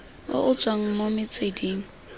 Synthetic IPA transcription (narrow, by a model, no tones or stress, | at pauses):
ʊ̰ʔʊt͡sʼwaŋ̩momɪt͡sʼwedeːŋ̩